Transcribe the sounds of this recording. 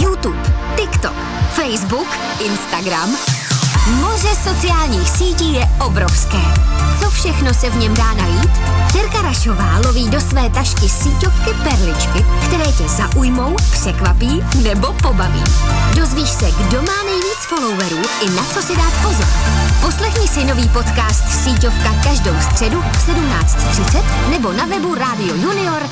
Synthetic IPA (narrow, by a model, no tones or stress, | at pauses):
jut̪uːpt̪ɪkt̪o̰k | fɛjzbuk | ʔɪnst̪aɡɾam | mo̞r̝ɛso̞t͡sɪaːlɲiːxsiːciːjɛʔobɾofskɛːt͡so̞fʃɛxno̞sɛvɲɛmdaːnajiːt̪ | t̪ɛɾkaɾaʃo̞vaːlo̞viːdo̞svɛːt̪aʃkɪsiːco̞fkɪpɛɾlɪt͡ʃkɪkt̪ɛɾɛːcɛzaʔujmo̞wpr̥ɛkvapiːnɛbo̞po̞bavḭːdo̞zviːʃsɛɡdo̞maːnɛjviːt͡sfo̞lo̞wvɛɾuːʔɪnat͡so̞sɪdaːt̪po̞zo̰ɾpo̞slɛxɲɪsɪno̞viːpo̞t̪kaːst̪siːco̞fkakaʒdo̞wst̪r̝̥ɛdusɛdumna̰ːt͡st̪t̪r̝̥ɪt͡sɛt̪ | nɛbo̞navɛbuɾaːdɪojunɪoɾ